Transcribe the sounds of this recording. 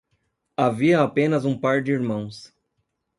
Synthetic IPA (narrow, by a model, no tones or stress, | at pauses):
aviɐapẽnɐzũpaɾd͡ʒɪiɾmɐ̃w̃s